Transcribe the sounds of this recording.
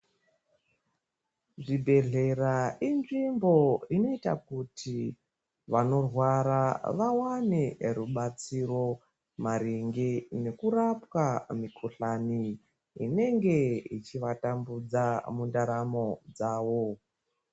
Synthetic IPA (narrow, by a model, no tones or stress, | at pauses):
ʐibʱe̞ɮe̞raʔinʐimbo̞ino̞ita̰kutʰi | ʋano̞rwaɾaʋawane̞ruɓat͡siro̞ | maɾiŋɡene̞kurapwamikʰuɬani | ḭne̞ŋɡe̞it͡ʃiʋatambud͡zamundaɾamo̞d͡zaːʋo